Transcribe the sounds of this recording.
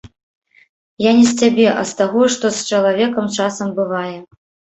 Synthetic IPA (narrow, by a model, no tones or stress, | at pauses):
janʲɛsʲt͡sʲabʲɛʔɐ̰st̪aɣɔʂt̪ɔst͡ʂɐlˠavʲɛkɐmt͡ʂasɐmbɨvajɛ